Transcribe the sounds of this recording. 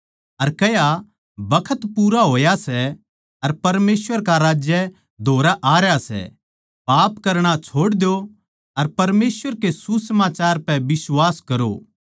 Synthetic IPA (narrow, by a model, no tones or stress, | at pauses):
ɐɾkɐja | bɐkʰət̪puːɾaɦoːjasɛ | ɐɾpɐɾmeːswəɾkaɾaːd͡ʒjə | d̪ʱoːɾaʔaːɾjasɛ̰ | paːpkɐɾɽ̃at͡ʃʰoːɽd̪jo | ɐɾpɐɾmeːsʋəɾkesusɐmaːt͡ʃaːɾpɛ̃ʋɪswaːskɐɾo̰